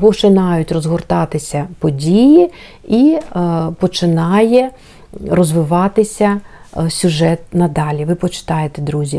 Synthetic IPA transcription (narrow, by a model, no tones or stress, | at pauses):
pɔt͡ʃɪnɑjʊtʲrɔzɦɔrt̪ɑt̪ɪsʲɐpɔdʲiji | i | pɔt͡ʃɪnɑjɛ | rɔzʋɪʋɑt̪ɪsʲɐsʲʊʒɛt̪nɐd̪ɑlʲiʋɪpɔt͡ʃɪ̥t̪ɑjet̪ɛd̪ɾuzʲi